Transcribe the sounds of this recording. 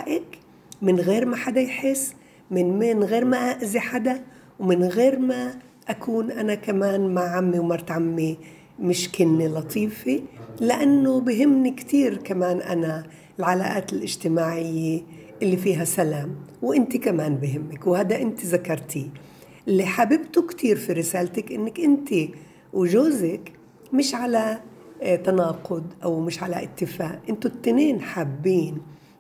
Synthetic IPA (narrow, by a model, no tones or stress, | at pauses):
aʔɪk | mɪnɣeːɾmaħad̪ajħɪsː | mɪnmɪnɣeːɾmaʔaʔziħad̪a | wmɪnɣeːɾma | ʔakuːnʔanakamaːnmaʕamːiwmaɾt̪ʕamːi | mɪʃkɪnːilɑt̪ˤʰiːfilɪʔanːobɪɦɪmːnikt̪iːɾkamaːnʔa̰na | ɪlʕala̰ːʔaːt̪ɪlʔɪʒt̪ɪmaːʕɪjːe | ʔɪlːifiːɦasalaːmwʔɪnt̪ikamaːnbɪɦɪmːɪkwhaːd̪aʔɪnt̪izakɑɾˤt̪ʰi | ʔɪlːiħabɪbt̪ʊkt̪ʰiːɾfiɾɪsaːlt̪akʔɪnːɪkʔɪnt̪i | wʒoːzɪk | mɪʃʕala | t̪anɑːqʊd̪ʔawmɪʃʕalaʔɪ̰t̪ːɪfaːʔʔɪnt̪ʊt̪ːneːnħaːbːiːn